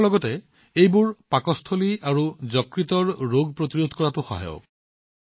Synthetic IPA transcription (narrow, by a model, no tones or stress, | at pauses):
lɔɡɔte | ejbuɹpakɔst̪ʰoliaɹuzɔkɹit̪ɔɹɹoɡ̚pɹot̪iɹod̪ʱkɔɹatuxɔ̰ɦa̰jo̰